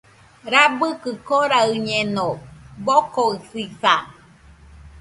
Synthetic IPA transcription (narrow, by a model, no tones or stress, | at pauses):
ɾabɯkɨkoɾaɯɲenobokoɯsiθa